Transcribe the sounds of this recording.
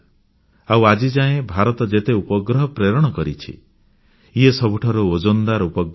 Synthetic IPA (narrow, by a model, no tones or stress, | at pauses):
awad͡ʒid͡ʒaẽbʱaɾɔt̪ɔd͡ʒet̪eupɔɡɾɔɦɔpɾeɾɔɽ̃ɔkɔɾit͡ʃʰḭ | iesɔbʱuʈʰaɾuod͡ʒɔnd̪aɾupɔɡ